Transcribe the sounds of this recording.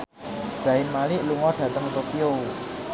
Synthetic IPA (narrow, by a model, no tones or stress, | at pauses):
d̥ʒ̥a̤ɪnmalɪʔluŋɔɖ̥a̤t̪əŋt̪opio